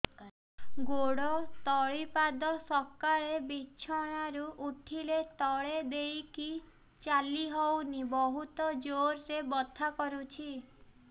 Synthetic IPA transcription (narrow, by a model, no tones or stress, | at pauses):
ɡoɽɔt̪ɔɭipad̪ɔsɔkaɾebiːt͡ʃʰɔɽ̃aɾuʔuʈʰilet̪ɔɭed̪ejki | t͡ʃaliɦownibɔɦut̪ɔd͡ʒoɾɾebɔt̪ʰakɔɾut͡ʃʰi